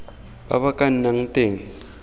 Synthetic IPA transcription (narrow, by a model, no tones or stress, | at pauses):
ba̰βakʼan̩naŋ̩tʼeŋ̩